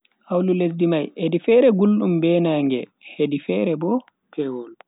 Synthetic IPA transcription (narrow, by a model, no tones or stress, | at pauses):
ʔawlules̬dimajedifɛɾɛɡulɗumbɛːnaŋɡɛ̰hedifɛɾɛbɔ | pʰɛwɔl